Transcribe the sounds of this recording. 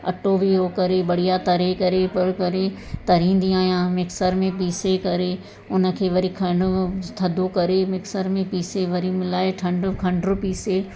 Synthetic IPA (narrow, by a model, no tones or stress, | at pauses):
ɐ̰ʈobiɾokɐɾebɐɽ̤ijat̪ɐɾekɐɾepɐɾkɐɾe | t̪ɐɾĩːnd̪iaːijãmɪksəɾmẽp̬iːsekɐɾe | ʊnə̆kʰeːʋɐɾikʰɐɳɖʊt̪ʰɐd̪ʱokɐɾemɪksəɾmẽpiːseʋɐɾimɪlaːeʈʰɐ̃ɳɖʊkʰɐ̃ɳɖɾʊpiːse